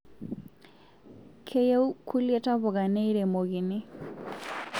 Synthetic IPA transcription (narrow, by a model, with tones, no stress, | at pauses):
kʰe˦je˦u˦kʰu˦lje˦ta˦βɔ˨ɣa˨nɛ˦i˦ɾɛ˨mo˨ɣi˨ne˦